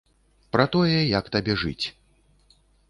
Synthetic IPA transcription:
pɾɐt̪ɔjɛjɐkt̪abʲɛʐɨt͡sʲ

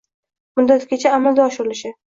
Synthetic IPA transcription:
mʊd̪ːat̪ɡʲet͡ʃʰaːmald̪aɒʃɪɾɪlɪʃɪ

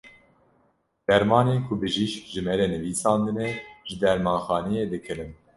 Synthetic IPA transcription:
d̪̥ɛɾmɑːneːkʰʊbɨʒiʃʒɨmɛɾenɨviːsɑːnd̪ɨnɛʒɨd̪ɛɾmɑːnxɑːnɛjeːd̪ɨkʰɨɾɨn

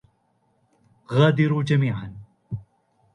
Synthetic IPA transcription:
ɣaːd̪iɾuːd͡ʒɐmiːʕan

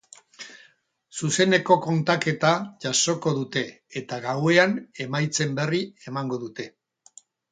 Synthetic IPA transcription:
suse̞ne̞ko̞ko̞nt̪ake̞t̪aʝaso̞ko̞ðut̪e̞ː | t̪aɣawe̞ane̞majt͡se̞mbe̞rie̞maŋɡo̞ðut̪e̞

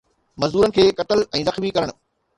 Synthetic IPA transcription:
mɐzd̪uːɾənɪ̆kʰeːkɐʈəlɛ̃ːzɐxmikɐɾəɽ̃

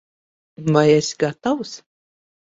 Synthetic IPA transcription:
vajɛsʲɡat̪aws

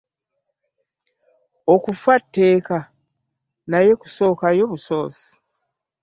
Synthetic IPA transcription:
okufatːe̞ːka | naje̞ku̥so̞ːkajoβuso̞ːsi̥

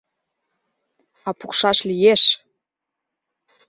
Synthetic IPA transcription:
ɑpukʃɑʃlijeʃ

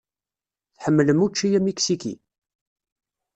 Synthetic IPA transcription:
θħəmːələmut͡ʃːijæmiksikḭ

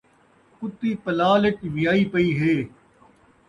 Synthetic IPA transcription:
kʊt̪ːiːpəlaːlɪʈʋɪjaːiːpəiːɦeː

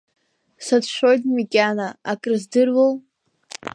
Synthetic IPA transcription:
satʰʃʷᶣojtʼmikʲʼanaakʼrɨzdɨrwol

